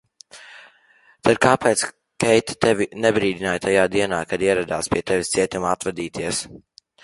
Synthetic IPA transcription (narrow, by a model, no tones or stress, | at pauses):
t̪ad̪̚kaːpɛːt̪s | kɛjt̪ḁt̪ɛvʲinɛbɾiːd̪inajt̪ajaːd̪iɛnaːkad̪iɛɾad̪aːspiɛt̪ɛvʲist̪siɛt̪ʲumat̪vad̪iːt̪iɛs